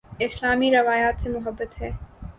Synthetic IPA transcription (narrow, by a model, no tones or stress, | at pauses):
ɪslaːmiɾɐʋaːjaːt̪semʊɦəbːət̪ɦɛː